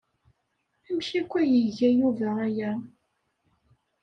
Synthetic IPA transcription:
æmçækʷːæjəʝæjuvææjæ

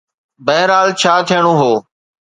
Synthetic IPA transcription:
bəɦɪɾaːlt͡ɕʰaːt̪ʰɪjəɽ̃oːɦoː

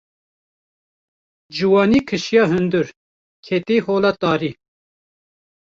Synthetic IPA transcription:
d͡ʒuwɑːniːkʰɨʃjɑːɦɨnd̪ɨɾ | kʰet̪iːhoːlɑt̪ɑːɾiː

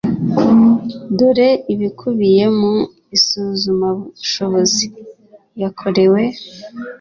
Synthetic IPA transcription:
doɾe̞iβikʰuβije̞mu | isuːzumaβuʃo̞βo̞zi | jakʰo̞ɾe̞we̞

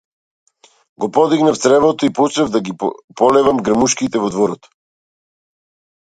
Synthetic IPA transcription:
ɡɔpɔd̪iɡnaft̪sɾɛvɔt̪ɔipɔt͡ʃɾɛvd̪aɡipɔlɛvamɡɾəmuʃkit̪ɛvɔd̪vɔɾɔt̪

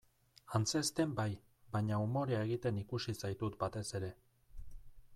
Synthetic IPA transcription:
ant͡se̞st̪e̞mbaj | baɲaumo̞ɾeaeɣit̪e̞nikusisajt̪ut̪bat̪e̞se̞ɾe̞

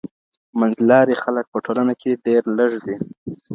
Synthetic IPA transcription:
manzlɑɾixalək̚pəʈʰolanakʰeɖeɾləʐd̪i

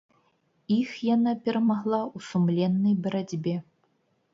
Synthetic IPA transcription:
ixjanapʲɛɾɐmaɣlˠawsumlʲɛnːɐjbɐɾad͡zʲbʲɛ

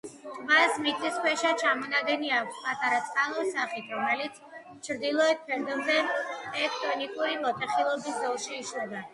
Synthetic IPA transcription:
vasmit̪ʼiskʰwɛʃat͡ʃʰamɔnaɡ̪ɛniakʰʷspʼat̪ʼaɾat̪sʼqʼalˠɔɾsaχit̪ʰɾɔmɛlit̪sʰ | t͡ʃʰɾd̪ilˠɔɛt̪̚pʰɛɾd̪ɛbzɛt̪ʼɛk̚ʰʼt̪ʼɔnikʼuɾilɔt̪ʰʼɛχilˠɔbisd̪ɔlˠʃiːʃɛba

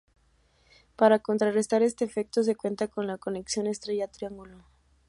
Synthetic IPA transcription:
paɾako̞nt̪ɾare̞st̪aɾe̞st̪e̞ːfe̞k̚t̪o̞s̬e̞kwe̞nt̪ako̞nlako̞ne̞ksjo̞ne̞st̪ɾe̞ʝat̪ɾiaŋɡulo

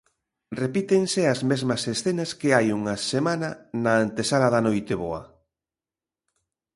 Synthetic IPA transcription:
repit̪eŋseɐzmezmɐsesθenɐskeajuŋɐsemanɐnɐːnt̪esalɐðɐnojt̪eβoɐ

